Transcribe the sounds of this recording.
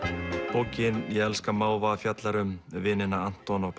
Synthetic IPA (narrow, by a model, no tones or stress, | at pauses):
poːwcɪnjɛɣɛlskamaːwvafjat̪laɾʏmvɪːnɪnaan̥t̪ɔnɔp